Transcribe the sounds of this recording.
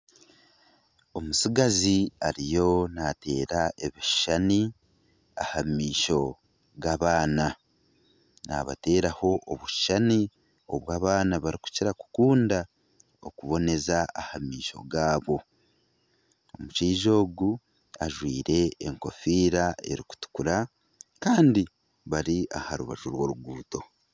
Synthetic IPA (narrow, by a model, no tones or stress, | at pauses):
o̞musiɡaziaɾijo̞nate̞̰ːɾaʔe̞βiʃi̥ʃani | a̰hamiːʃo̞ | ɡaβaːna | na̰βa̰te̞ːɾaho̞ʔoβuʃi̥ʃani | o̰βwaːβaːnaβaɾiku̥ciɾaku̥kuːnda | okuβo̞ne̞zaahamiːʃo̞̰ɡaːβo̞ | omut͡ʃiːʒo̞ːɡu | aʒwiːɾe̞ːŋko̞fiːɾae̞̰ɾiku̥tu̥kuɾa | kaːndi | βaɾiʔahaɾuβa̰ʒuɾwo̞ːɾuɡuːto̞